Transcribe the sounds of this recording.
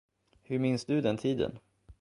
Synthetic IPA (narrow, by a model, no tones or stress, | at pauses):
hɵɾmɪnsd̪ɵd̪ɛnt̪ʰiːd̪ə̰n